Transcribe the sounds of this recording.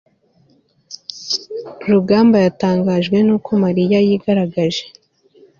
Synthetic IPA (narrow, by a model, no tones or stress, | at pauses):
ɾuɡaːmbajataːŋɡaːʒɡwe̞nuːkʰo̞maɾijajiːɡaɾaɡaʒe̞̥